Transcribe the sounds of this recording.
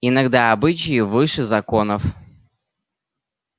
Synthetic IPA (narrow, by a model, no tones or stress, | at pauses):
ɪnɐɡd̪aɐbɨt͡ɕɪjɪvɨʂɨzɐko̞nəf